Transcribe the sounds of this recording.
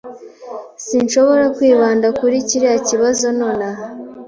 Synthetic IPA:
sinʃo̞βo̞ɾakwiːβaːndakuɾiciɾeaciβazo̞noːnaɦa

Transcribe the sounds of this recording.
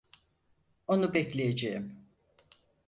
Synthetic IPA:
o̞nubɛclʲejed͡ʒeim

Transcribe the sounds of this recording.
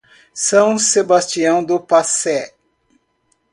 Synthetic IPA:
sɐ̃w̃sebast͡ʃiɐ̃w̃d̪ʊpasɛ

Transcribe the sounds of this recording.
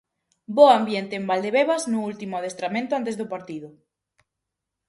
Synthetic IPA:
boambjent̪eːmbald̪eβeβɐznʊult̪imʊaðest̪ɾamẽnt̪ʊant̪ezðʊpaɾt̪iðʊ

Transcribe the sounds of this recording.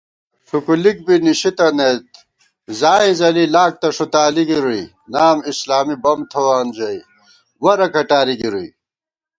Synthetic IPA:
ʂukulik̚biniɕit̪ɐnet̪ | zaːĩzɐlilaːk̚t̪ɐʂut̪aːliɡiɾui | naːmislaːmibɐmt̪ʰɐwaːnd͡ʑɐi | wɐɾɐkʰɐʈaːɾiɡiɾui

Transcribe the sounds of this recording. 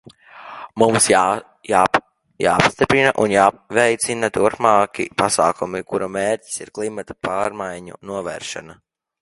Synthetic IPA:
mumsj | a | ja̰ːpst̪ipɾinaʔunjaːvɛjt̪sinat̪uɾpmaːkʲḭpasaːkumikuɾameːɾcʲi̥sḭɾklˠimat̪ḁpaːɾmajɲṵnuɔvɛ̰ːɾʃa̰na

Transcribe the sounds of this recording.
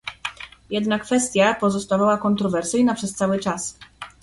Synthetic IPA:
jɛd̪nakfɛst̪ʲjapɔzɔst̪avawakɔnt̪ɾɔvɛɾsɘjnapʂɛst̪sawɘt͡ʂas

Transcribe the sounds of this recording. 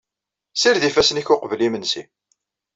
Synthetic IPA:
siɾðifæsniçʊqvlimənsḭ

